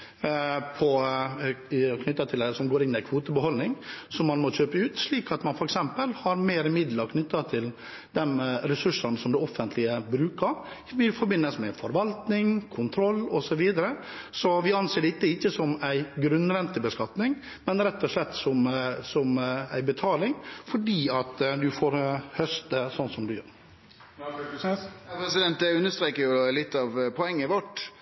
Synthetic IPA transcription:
pʰɔ | kʰnʏt̪ːɑt̪ʰɪlɛsɔmɡoːɾɪnːɪæɪkʰʋuːt̪əbəhɔlnɪŋsɔmːɑnmɔc͡çøːpəʉːt̪ʂɭiːkɑt̪mɑnfɔɾɛksɛmpəlhɑɾmeːɾəmɪd̪ləɾkʰnʏt̪ːɑt̪ʰɪl | d̪ɛnɾɛsʉʂːɑnsɔmd̪ɛɔfːənt̪ʰlɪəbɾʉːkəɾ | ʋɪfɔɾbɪnːəsmɛfɔɾʋɑlt̪nɪŋkʰʊnt̪ʰɾɔlːɔsɔʋiːd̪əɾə | sɔʋɪɑnseːɖɛɪt̪ːɛɪçːəsɔmæɪɡɾʉnːʋɛnt̪ɪbəskɑt̪nɪŋ | mɛnɾɛt̪ːɔʂlɛt̪ːsɔmsɔmæ̰ɪbət̪ʰɑːlɪŋfɔɖiːɑt̪d̪ʉfoːɾhœst̪əsɔnsɔmd̪ʉjø̰ːɾ | pʰɾɛsɪd̪ɛnt̪̚d̪ɛʉnːəst̪ɾeːkəɾjʊlɪt̪ːɑʋpʰɔɛŋːəɪʋɔʈ

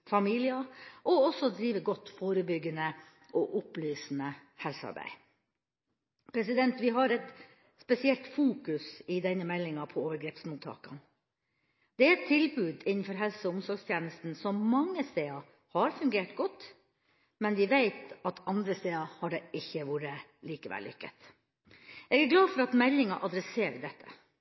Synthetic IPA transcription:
fɑmiːlɪɑʔɔɔsɔd̪ɾiːʋəɡɔt̪ːfoːɾəbʏɡːənə | ʔɔʔʊplyːsn̩əhɛlsəɑ̰ɾbæ̰ɪ | pʰɾɛsɪd̪ɛnt̪ʋɪɦɑɾɛt̪ | spɛsɪɛlt̪fuːkʉsɪd̪ɛnːəmɛlːɪŋɑpʰɔoːʋəɾɡɾɛːpsmuːt̪ʰːɑ̰ːkɑn | d̪̥ɛæɾɛt̪ʰːɪlbʉːd̪ɪnːnfɔɾɦɛlsəʊmsɔlst̪ʰjeːnəst̪n̩sɔmmɑŋːəst̪eːɑ | hɑɾfʉŋɡeːʈɡɔt̪ː | mɛnʋɪʋeɪt̪ɑt̪ɑnd̪ɾəst̪eːɑhɑɖɛʔɪçːəʋuːɾəliːkəʋɛ̰lːʏ̰kːə̰t̪ | ʔɛːɡæɡlɑːfɔɾɑt̪mɛlːɪŋɑʔɑd̪ɾɛseːɾd̪ɛt̪ʰːə̥̰

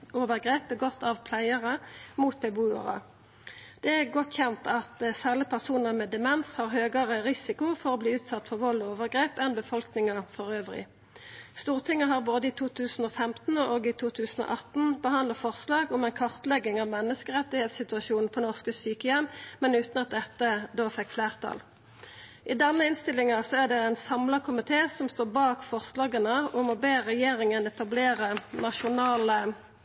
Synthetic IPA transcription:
oːʋəʁɡʁeːp̚bəɡɔt̪ʰːɑʋpʰlæɪəʁəmuːt̪̚bɛbuːə̰ʁə̰ | d̪̥ɛæʁɡɔt̪ːçɛnt̪ɑt̪sæːʁlɪpʰæʁsuːnəʁmɛːd̪ɛmɛnshɑːʁɦøːɡəʁəʁɪsɪkʊfɔʁoːbliːʉːt̪sɑt̪ːfɔʁʋɔlːoːʋəʁɡʁeːpɛnbəfɔlknɪŋəfɔʁøːʋʁɪ̰ | st̪uːʁt̪ʰɪŋəɦɑːʁboːd̪əiːt̪ʰuːt̪ʰʉːsn̩oːfɛmt̪n̩oːɡit̪ʰuːt̪ʰʉːsn̩o̰ʔɑt̪n̩bəɦɑnd̪ləfɔʁslɑːɡʊmɛɪnkʰɑʁt̪lɛɡːɪŋɑʋmɛnːəskəʁɛt̪ːɪheːt̪sɪt̪ʉɑʃuːnn̩pʰɔnɔʁskəsyːkəjɛmmɛnʉːt̪nɑt̪̚d̪ɛt̪ːəd̪oːfɛkːfleːʁt̪ʰɑ̰l | ʔɪd̪ɛnːəɪnst̪ɪlːɪŋɑsɔæʁd̪ɛɛɪnsɑmlɑkʰʊmɪt̪ʰeːsɔmst̪oːbɑːkfɔʁslɑːɡənəʊmɔbeːʁɛjeːʁɪŋənɛt̪ɑbleːʁənɑʃʊnɑːlə

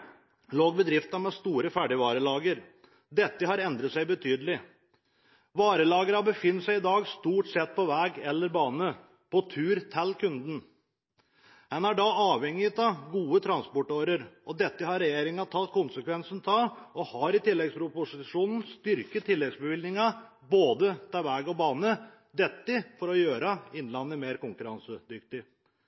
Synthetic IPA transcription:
loːɡ̚bəd̪ɾɪft̪ɑmɛst̪uːɾəfæɖɪʋɑːɾəlɑːɡəɾ | d̪ɛt̪ːəhɑɾɛnd̪ɾət̪sæɪbət̪ʰyːd̪əlɪ | ʋɑːɾəlɑːɡəɾhɑbəfɪnːət̪sæɪɪd̪ɑːɡst̪uːʈsɛt̪̚ːpʰɔʋæːɡɛlːəɾbɑːnə | pʰɔt̪ʰʉːɾt̪ʰælːkʰʉnd̪n̩ | hɛnæɖɑɑːʋɛŋːɪt̪ʰɑɡuːət̪ʰɾɑnspɔʈoːɾəɾɔd̪ɛt̪ːəhɑɾɛjeːɾɪŋɑt̪ʰɑt̪ːkʰʊnsəkʰʋɛnsn̩t̪ʰɑʔɔhɑɾɪt̪ɪlːɛɡspɾʊpʊsɪʂuːnn̩st̪ʏɾkət̪ʰːɪlːɛɡsbəʋɪlnɪŋɑ | boːd̪ət̪ʰæʋæːɡɔbɑːnə | d̪ɛt̪ːɪfɔɾɔjøːɾɑɪnlɑnːəmeːɾkʊŋkʉɾɑnsəd̪ʏkt̪ɪ

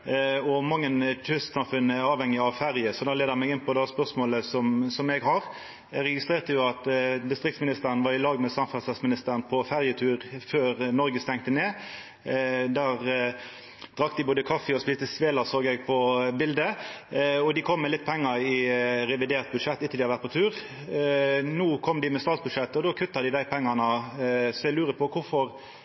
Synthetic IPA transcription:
ɔmɑŋːənt͡ʃʉst̪sɑmfʉnːəæɑːʋhɛŋːɪɑʋfæʁjəsɔd̪æːleːd̪əmɛɡɪnpʰɔd̪ɛspœʁsmoːləsɔmsɔmɛɡɦɑʁ | ʁɛɡɪst̪ʁeːʁt̪əjʊɑt̪d̪ɪst̪ɾʁɪkt̪smɪnɪst̪əɾənʋɑːʁɪlɑːɡmɛsɑmfɑsɛsmɪnɪst̪əɾənpʰɔfæʁjət̪ʰʉːʁføːʁnɔɾɡəst̪ɛŋt̪əneː | d̪æːʁ | d̪̥ʁɑk̚ːd̪ɪboːd̪əkʰɑfːəɔspiːst̪əsʋeːlɑsoːɡɛɡ̚pʰɔbɪld̪ə | ɔd̪ɪkʰɔmːɛlɪt̪̚ːpʰɛŋːəɾɪʁɛʋɪd̪eːʁt̪̚bʉd̪ʂɛt̪ːɪt̪ːəlɪɑʋæɾt̪pʰːɔt̪ʰʉːʁ | nuːkʰɔmːd̪ɪmɛst̪ɑːt̪sbʉd̪ʂɛt̪ːɔd̪oːkʰʉt̪ːɑd̪ɪd̪æɪpʰɛŋːɑnəsɔɛɡlʉːʁəpʰɔkʊfɔʁ

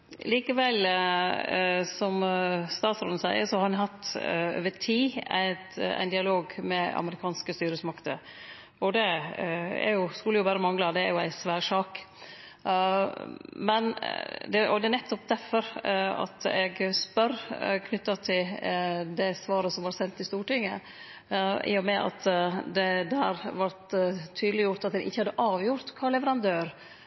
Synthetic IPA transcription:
liːkəʋɛl | sɔmst̪ɑːt̪sɾɔln̩sæɪəɾsɔhɑɾɛnɦɑt̪ːø̰ːʋətʰiːæ̰ɪt̪æ̰ɪnd̪ɪɑloːɡmɛɑ̰məɾɪkʰɑːnskəst̪yːɾəsmɑkt̪ə̰ | ɔd̪ɛ | æ̰ɾjʊskʉlːəjʊbæːɾəmɑŋlɑd̪ɛæɾjʊæ̰ɪsʋæːɾʂɑːk | mɛnd̪ɛʔɔd̪ɛnɛt̪ːɔp̚d̪æfɔɾɑ̰t̪ɛɡspœɾkʰnʏt̪ːɑt̪ʰɪld̪ɛsʋɑːɾəsɔmʋɑɾsɛnt̪ːɪst̪uːʈɪŋːə̰ | ʔḭːɔmɛʔɑ̰t̪d̪ɛd̪ææɾʋɑɾt̪ʰːyːd̪lɪjʊɾt̪ɑt̪̚d̪ɛnʔɪçːəhɑd̪ːəʔɑːʋjʊɾt̪kʰɑːɭɛʋəɾɑnd̪øːɾ

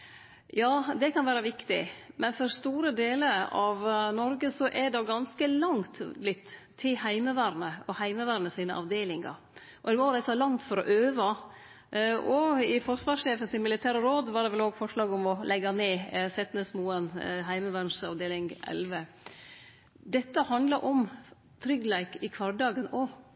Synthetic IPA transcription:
jɑːd̪ɛkʰɑnʋæːɾɑʋɪkt̪ɪ̰mʔɛnfɔɾst̪uːɾəd̪eːləɑʋnɔɾɡəsɔʔɛd̪oɡɑnskəlɑŋt̪blɪt̪ʰː | ɪhæɪməʋæːɾnəɔhæɪməʋæːɾnəsiːnəʔɑ̰ʋd̪eːlɪŋɑ̰ɾ | ʔɔɛmɔɾæɪt̪ɑlɑŋt̪fɔɾɔʔøːʋɑ | ɔɪfɔɾsʋɑːʂeːfənsɪmɪlɪt̪ʰæːɾəɾoːd̪ʋɑɾɖɛʋɛloːɡfɔʂlɑːɡɔmɔlʔɛɡːɑneːsɛt̪nəsmuːənɦæɪməʋænʂɑ̰ʋd̪eːlɪŋʔɛ̰lʋə | d̪ɛt̪ːəhɑnd̪lɑɾʔɔm | t̪ʰɾʏɡlæɪkɪkʰʋɑɾɖɑːɡənɔ

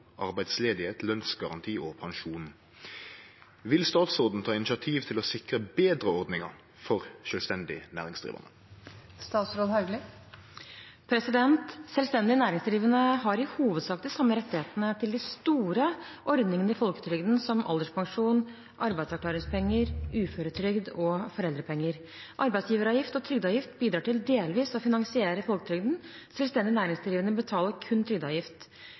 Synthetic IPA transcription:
ʔɑʁbæɪd̪sleːd̪ɪheːt̪lœnsɡɑʁɑnt̪ʰiːopʰɑŋʃuːn | ʋɪlst̪ɑːt̪sɔʁd̪n̩t̪ʰɑːɪnɪt͡ʃɪɑt̪ʰiːʋt̪ʰɪlɔsɪkʁəbeːd̪ʁəɔʁd̪nɪŋɑʁ | fɔʁʃœlst̪ɛnd̪ɪ̰næ̰ːʁɪŋsd̪ʁḭːʋə̰nə̰ | st̪ɑːt̪sɾoːd̪hɑʉɡlɪ | pʰɾɛsɪd̪ɛnt̪sɛlst̪ɛnd̪ɪnæːɾɪŋsd̪ɾiːʋənəɦɑɾɪhuːʋəd̪sɑːk̚d̪ɪsɑmːəɾɛt̪ːɪheːt̪nət̪ʰɪld̪ɪst̪uːɾəʔɔɾd̪nɪŋənəɪfɔlkət̪ʰɾʏɡd̪n̩sɔmʔɑ̰ld̪əʂpʰɑŋʂuːn | ʔɑɾbæɪd̪sɑkʰlɑːɾɪŋspʰɛŋːəɾʉːføːɾət̪ʰɾʏɡd̪ɔfɔɾɛld̪ɾəpʰɛŋːəɾ | ʔɑɾbæɪt̪sjiːʋəɾɑʋjɪft̪ɔt̪ʰɾʏɡd̪ɑːʋjɪft̪biːd̪ɾɑːʈɪld̪eːlʋiːsɔfɪnɑŋsɪeːɾəfɔlkət̪ʰɾʏɡd̪n̩ | sɛlʋst̪ɛnd̪ɪnæːɾɪŋsd̪ɾiːʋənəbət̪ʰɑːləɾkʰʉnːt̪ʰɾʏɡ̚d̪ɑːʋjɪft̪

